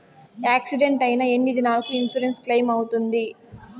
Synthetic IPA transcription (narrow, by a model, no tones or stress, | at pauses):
aːksiɖe̞ɳʈɐjinɐe̞nːid̪inaːlɐkuinsuɾensklɐjmɐwut̪und̪i